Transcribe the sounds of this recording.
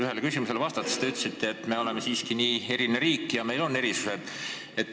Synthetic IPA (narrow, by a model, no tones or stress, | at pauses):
yɦe̞lkysimuse̞lvɑst̪ɑt̪ːˑe̥st̪eyt̪ːˑsit̪ːˑeːt̪ːˑme̞o̞le̞me̞siːskiniːe̞ɾineɾiːkːˑjɑme̞jlo̞nːe̞ɾisused̪ | et̪ː